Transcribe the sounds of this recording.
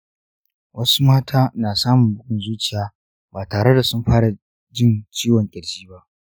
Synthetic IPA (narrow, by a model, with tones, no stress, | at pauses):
wʔɐ˦su˦maː˦tʰaː˦naː˨saː˦mʊ˨mbʊ˦kʊ˨nzuː˦t͡ʃɪ˨jaː˦ | baː˨taː˨ɽe˦da˨sʊ˦mɸaː˦ɽa˨ | d͡ʒɪ˦nt͡ʃiː˦wɔ˨ŋkʲʼɪ˨ɽd͡ʒiː˦ba˦ʔ